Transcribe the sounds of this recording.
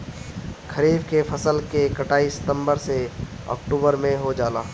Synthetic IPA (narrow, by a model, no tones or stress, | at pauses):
kʰɐɾiːbkefʰɐsəlkekɐʈaːisɪ̥t̪ə̃mbəɾse | ɔ̰ːkʈuːbəɾmẽɦod͡ʒaːla̰ː